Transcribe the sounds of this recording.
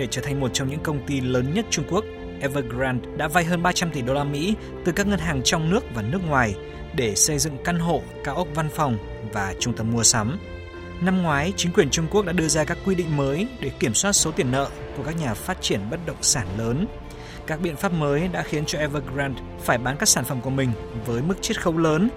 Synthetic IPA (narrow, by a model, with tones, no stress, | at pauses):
ɗe˧˩t͡ɕəː˧˩t̪ʰa˨˩ŋ̟mo˨˩t̚t͡ɕɔ˧wŋ͡mɲɨ̰˧˥ŋkə˧wŋ͡mt̪i˧ləː˨˦nɲə˦˥t̚t͡ɕʊ˧ŋ͡mku˦˥ək̚ | ʔɛ˧vəː˧ɡɾaː˧nɗa̰ː˧˥va˧jɦəː˧nɓaː˧t͡ɕa˧mt̪i˨˩ɗo˧laː˧mḭ˧˥ | t̪ɨ˨˩kaː˦˥k̚ŋə˧nɦaː˨˩ŋt͡ɕɔ˧wŋ͡mnɨ˦˥ək̚vaː˨˩nɨ˦˥ək̚ŋwaː˨˩j | ɗe˧˩sə˧jzɨ̰˧˨ŋka˧nɦo̰˧˨kaː˨˩wʔə˦˥k͡p̚va˧nfɔ˨˩wŋ͡m | vaː˨˩t͡ɕʊ˧ŋ͡mt̪ə˧˩m̚mu˧əsa˨˦m | na˧mŋwaː˨˦jt͡ɕï˨˦ŋkwi˨˩ənt͡ɕʊ˧ŋ͡mku˦˥ək̚ɗa̰ː˧˥ɗɨ˧əzaː˧kaː˦˥kːwi˧ɗḭ̈˧˨ŋ̟məː˨˦jɗe˧˩ki˧˩əmswaː˦˥t̚so˨˦t̪i˨˩ənːə̰ː˧˨ku˧˩əkaː˦˥k̚ɲaː˨˩faː˦˥t̚t͡ɕi˧˩ənɓə˦˥t̚ɗə̰˧˨wŋ͡msaː˧˩nləː˨˦n | kaː˦˥k̚ɓḭ˧˨ənfaː˦˥p̚məː˨˦jɗa̰ː˧˥xi˨˦ənt͡ɕɔ˧ʔɛ˧vəː˧ɡɹaː˧nt | faː˧˩jɓaː˨˦nkaː˦˥k̚saː˧˩nfə˧˩mku˧˩əmï˨˩ŋ̟vəː˨˦jmɨ˦˥k̚t͡ɕe˦˥t̚xə˨˦wləː˨˦n